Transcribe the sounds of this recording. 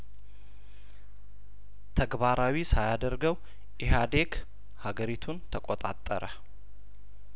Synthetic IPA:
t̪ʰəɡbaɾawisajad̪əɾɡəw | ʔɪɦad̪e̞k | haɡəɾit̪ʰunt̪ʰəkʼot̪ʼa̰t̪ʼːə̰ɾə

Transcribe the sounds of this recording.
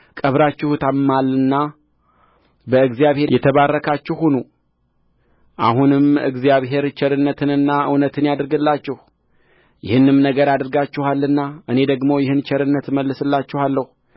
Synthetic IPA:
kʼəβɾat͡ʃːɪhut̪ʰammːalːɨnːa | bəɨɡzijaβhe̞ɾjɛt̪ʰəβarːəkʰat͡ʃːɪhunu | ʔa̰ɦunɨmɨ̰ɡzijaβɦe̞ɾt͡ʃʰɛɾɨnːət̪ʰɨnɨnːaʔɨ̰wnət̪ʰɨnjad̪ɾɡɨlːat͡ʃːɪh | jɪhɨnːɨmnəɡəɾad̪ɨɾɡat͡ʃːɪhalːɨnːaɨne̞d̪əɡmo̞jɪhɨnt͡ʃʰɛɾɨnːət̪məlːɨsɨlːat͡ʃːɪhalːəhu

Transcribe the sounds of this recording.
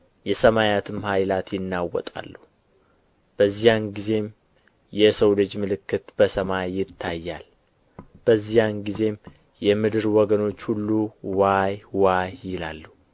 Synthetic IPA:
jɛsəmajat̪ʰɨmhajlat̪jɪnːawɔ̰t̪ʼa̰lːu | b̥əzːijanɡize̞m | jɛsəwlɨd͡ʒmɨlɨkːɨt̪b̥əsəmajːɪt̪ʰːajːal | b̥əzːijanɡize̞m | jɛmɨd̪ɨɾwɔɡəno̞t͡ʃːhulːuwajwajjɪlalːu

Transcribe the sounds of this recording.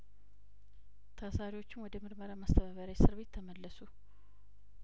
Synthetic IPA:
t̪ʰasaɾiwo̞t͡ʃːɪnwɔd̪əmɨɾməɾamast̪ʰəβaβəɾajsɨɾβe̞t̪ʰːəməlːəsu

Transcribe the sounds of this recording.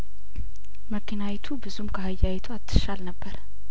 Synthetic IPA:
məkʰinawɛt̪ʰubɨzumkʰəhajːawɛt̪ʰuat̪ʰːɨ̥ʃalnəbːəɾ

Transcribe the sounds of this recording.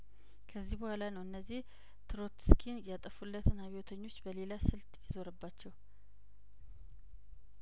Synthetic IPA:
kʰəzːihbəhʷalanəwɨnːəzːih | t̪ʰɨɾo̞t̪skʰinjat̪ʼəfulːət̪ʰɨnaβiot̪ʰəɲːo̞t͡ʃːbəle̞lasɨlt̪ʼjɪzo̞ɾəbːat͡ʃːɛw

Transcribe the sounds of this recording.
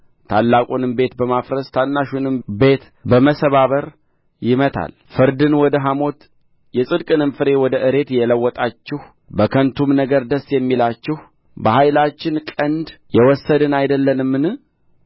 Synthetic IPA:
t̪ʰalːakʼunɨmbe̞t̪bəmafɾəst̪ʰanːaʃunɨmbe̞t̪ | bəməsəβaβəɾ | jɪmət̪ʰa̰l | fɨɾd̪ɨnwɔd̪əɦamo̞t̪ | jɛsʼɨd̪kʼɨnɨmfɨɾe̞wɔd̪əʔɨɾe̞t̪jɛləwːɔt̪ʼat͡ʃːɪh | bəkʰənt̪ʰumnəɡəɾd̪əsːjɛmːilat͡ʃːɪh | bəhajlat͡ʃːɪnkʼənd̪jɛwɔsːəd̪ɨnajd̪əlːənɨmːɨnɨ

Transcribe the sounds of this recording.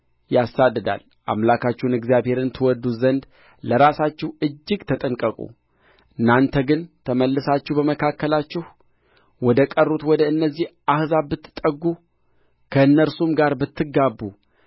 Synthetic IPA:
jasːad̪ːɨd̪a̰l | ʔa̰mlakat͡ʃːɪhnɛɡzjaβhe̞ɾɨnt̪ʰɨwɔd̪uzənd̪ | ləɾasat͡ʃːɪhɨd͡ʒːɪɡt̪ʰət̪ʼəŋkʼəkʼṵ | ʔɨnːant̪ʰəɡɨnt̪ʰəməlːɨsat͡ʃːɪhbəməkʰakːəlat͡ʃːɪh | wɔd̪əkʼərːut̪wɔd̪əɨnːəzːihʔahzabɨt̪ːɨ̥t̪ʼːəɡːu | kʰəɨnːəɾsumɡaɾbɨt̪ːɨɡabːu

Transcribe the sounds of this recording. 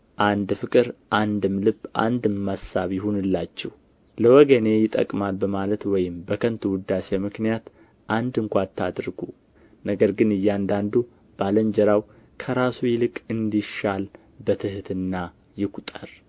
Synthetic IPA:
ʔand̪fɨkʼɨɾʔand̪ɨmlɨbːʔa̰nd̪ɨmːasaβjɪhunɨlːat͡ʃːɛh | ləwɔɡəne̞jɪt̪ʼə̰kʼmalbəmalət̪wɔjɪmbəkʰənt̪ʰuwʊd̪asemɨknijat̪ | ʔand̪ɨŋkʷat̪ʰːa̰d̪ɾɡu | nəɡəɾɡɨnɨjːand̪and̪u | b̥aləɲd͡ʒəɾaw | kʰəɾasujɪlɨkʼɨnd̪iʃal | bət̪ʰɨht̪ʰɨnːa | jɪkʷʰut̪ʼəɾ

